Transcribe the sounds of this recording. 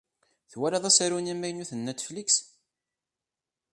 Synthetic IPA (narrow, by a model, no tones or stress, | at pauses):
θwæɾæðˤæsæɾunimːæjnuθənːæt̪ːfliks